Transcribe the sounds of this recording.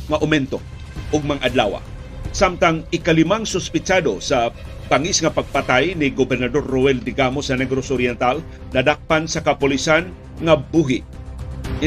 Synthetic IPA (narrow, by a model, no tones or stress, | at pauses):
ŋɐʔʊmɛnt̪o | ʔʊɡ̚maŋʔad̪la̰ːwa̰ | samt̪aŋɪkalɪmaŋsʊspɪt͡ʃad̪osɐ | b̥aŋisŋɐpaɡ̚pat̪ajnɪɡobɛɾnad̪orːoɛld̪ɪɡamosɐnɛɡɾosʊɾjɛnt̪al | nɐd̪ak̚pansɐkɐpʊlisan | ŋɐbuɦɪ